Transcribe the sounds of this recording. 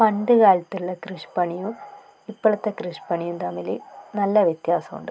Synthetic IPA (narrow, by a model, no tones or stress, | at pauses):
pɐnɖɨkaːlɐt̪ːiluɭːɐkrɨʂpɐɳijum | ipːɐɭɐt̪ːekrɨʂpɐɳijumt̪ɐmːilinɐlːɐʋjet̪jaːsɐmṵɳɖɨ